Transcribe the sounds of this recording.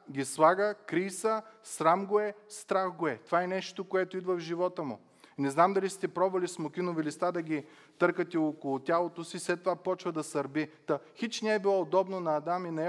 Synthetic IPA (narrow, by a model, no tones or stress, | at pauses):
ɡʲislˠaɡəkɾijsəsɾamɡoɛst̪ɾaxɡoɛt̪ovaɛnɛʃt̪okoɛt̪oid̪vɐvʒivɔt̪əmʊ | nɛznamd̪ɐlist̪ɛpɾɔbvɐlismokʲinovilist̪ad̪ɐɡʲi | t̪ɤɾkət̪ɛokolˠʊt̪ʲjalˠot̪osiːslɛt̪ːovapɔt͡ʃvɐd̪ɐsɐɾbit̪ɐxit͡ʃnɛɛbilˠɔod̪ɔbnonɐːd̪aminɐɛ